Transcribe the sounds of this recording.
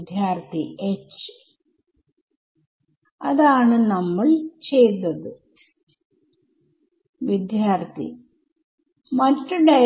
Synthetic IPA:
d̪ʱjaːrt̪ʰiet͡ɕː | ɐðaːɳɨnɐmːɐɭt͡ɕe̞jt̪ːɐðɨ | ʋid̪ʱjaːrt̪ʰḭ | mɐtːɨɖɐ

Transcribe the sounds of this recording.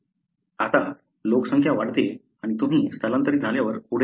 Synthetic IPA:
at̪a | lokəsəŋkʰjaʋaɽt̪e | aɽ̃it̪um̤iːst̪ʰələnt̪əɾiːd͡zʱaljaʋəɾpuɽ

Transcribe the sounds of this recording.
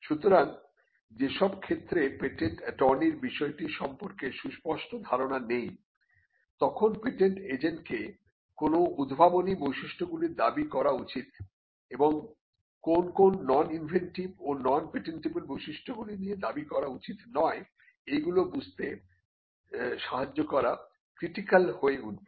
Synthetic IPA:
ʃut̪oɾan | d͡ʑeʃɔb̚kʰet̪ːɾepeʈeɳʈʈɔɾniɾbiʃɔeʈiʃɔmpoɾkeʃuspɔʃʈod̪ʱaɾonanej | t̪ɔkʰonpeʈeɳʈed͡ʑeɳʈke | konoud̪bʱabonibojʃiʃʈʰoɡuliɾd̪abikɔɾaut͡ɕit̪ | eboŋ | konkonːɔninvʱenʈibonɔnpeʈeɳʈibulbojʃiʃʈʰoɡulinied̪abikɔɾaut͡ɕit̪nɔe | ejɡulobud͡ʑʱt̪e | ʃaɦad͡ʑːokɔɾa | kɾiʈikalhoeun

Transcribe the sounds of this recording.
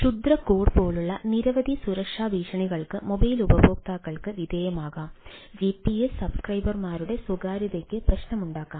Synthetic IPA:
ʂud̪rɐkoːɖpo̞ːɭuɭːɐniɾɐʋɐd̪ʱisuɾɐkʂaːʋiːʂɐɳiɣɐɭkɨmobɐjlubɐboːk̚t̪aːkːɐɭkɨʋid̪eːjɐmaːɣaːmd͡ʑipːiesːɐbskrɐjbɐrmaːɾuɽe̞suɡaːɾɐðekːɨprɐɕnɐmuɳɖaːkːaːm

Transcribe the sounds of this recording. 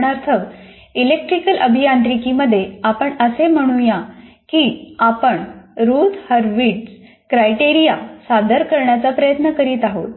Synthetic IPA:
ɳaɾt̪ʰəʋ | ilek̚ʈɾikəlʔəbʱijant̪ɾikiməd̪ʱːjeapəɳəsem̤əɽ̃uja | kiːapəɳɾut̪həɾʋiʈs | kɾajʈiɾijasad̪əɾkəɾɳjat͡sapɾəjət̪nəkəɾiːt̪aɦo̰t̪

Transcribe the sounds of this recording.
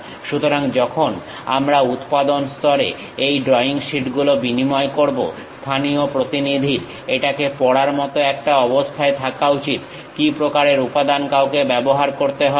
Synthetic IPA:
ʃut̪oɾaŋd͡ʑɔkʰon | a̰mɾaut̪pad̪onst̪ɔɾḛ | ejɖɾɔiŋʃiʈɡulobinimɔekoɾbo̰st̪ʰaniopɾot̪inid̪ʱiɾ | eʈakepɔɽaɾmɔt̪oɛk̚ʈaɔbost̪ʰaet̪ʰakaut͡ɕit̪ | kipɾokaɾeɾupad̪ankawkebɛboɦaɾkoɾt̪eɦɔe

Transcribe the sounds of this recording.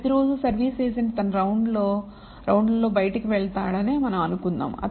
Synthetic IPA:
ɐiɾo̞ːd͡ʒusɐɾʋiːseːs̬ɐnd̪it̪ɐnɐɾɐwɳɖloː | ɾɐwɳɖlɐlo̞ːbɐjɐʈikiʋɛɭt̪aːɽɐne̞ːmɐnɐmɐnukund̪a̰ːmɐ̰

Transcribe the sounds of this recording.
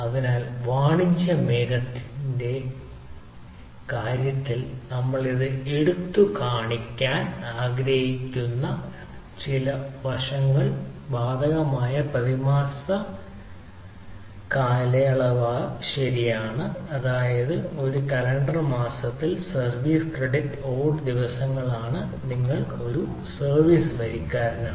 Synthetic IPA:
ɐðinaːlʋaːɳit͡ɕːɐmeɣɐt̪ːinde̞ | kaːɾjɐt̪ːilnɐmːɐɭiðɨeɽut̪ːukaːɳikʲːaːnaːɡɾɐhikʲːunːɐ | t͡ɕilɐʋɐrʂɐŋːɐɭbaːd̪ɐɣɐmaːjɐpɐðimaːsɐ | kaːlɐjɐɭɐʋaːɕɐɾijaːɳɨɐðaːjɐðɨo̞ɾukɐɾɐɳɖrɐmaːsɐt̪ːilsɐrʋiːskreɖitːoːɖd̪iʋɐsɐŋːɐɭaːɳɨ | niŋːɐɭo̞ɾu | sɐrʋiːsɨʋɐɾikʲːaːɾɐnɐ

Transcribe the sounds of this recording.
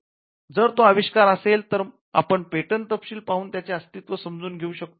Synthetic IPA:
d͡zəɾt̪oəʋiɕkaɾəselt̪əɾ | a̰pəɳpeʈənt̪əpɕiːlpaɦuːnt̪jat͡seəst̪it̪ʋəsəmd͡zuːnɡʱeuːɕək̚t̪o

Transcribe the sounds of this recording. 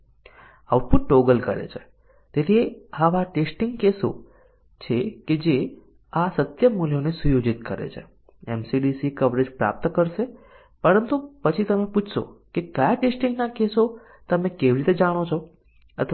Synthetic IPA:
awʈ̚puʈ̚ʈoɡəlkəɾḛt͡ʃʰe̥ | t̪et̪ʰieaʋaʈesʈɪŋɡkeso̰ | t͡ʃʰeked͡ʒe | asət̪jəmuljonesujod͡ʒit̪kəɾḛt͡ʃʰḛ | ɛmsiɖisikəʋɾed͡ʒpɾa̰p̚t̪kəɾʃe | pəɾənt̪upət͡ʃʰit̪əmeput͡ʃʰʃo̰kekəjaʈesʈiŋɡnakeso | t̪əmẽkeʋiɾit̪ed͡ʒaɽ̃ot͡ʃʰo | ə̰t̪ʰ

